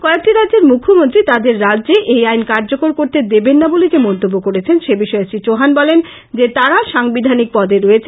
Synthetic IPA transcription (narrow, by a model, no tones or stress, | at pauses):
kɔeek̚ʈiɾadd͡ʑeɾmukʰːomont̪ɾit̪ad̪eɾːadːʑeʔejajnkaɾd͡ʑokoɾkoɾt̪ed̪ebenːabolekemɔnt̪obːokoɾet͡ɕʰenʃebiʃɔesɾit͡ɕoɦanbɔlen | d͡ʑet̪aɾaʃaŋbid̪ʱanik̚pɔd̪eɾoet͡ɕʰ